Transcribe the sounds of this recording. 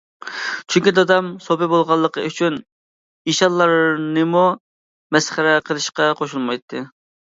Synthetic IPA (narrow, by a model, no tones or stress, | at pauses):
t͡ʃʰyŋkʲid̪ɑd̪ɑmsopɪbolˠʁɑlˠːəqəyt͡ʃʰyn | iʃɑlˠːɑɾnɨmu | mɛsχæɾɛqʰəlˠɨʃqɑqʰoʃulˠmɑjt̪ʰːɨ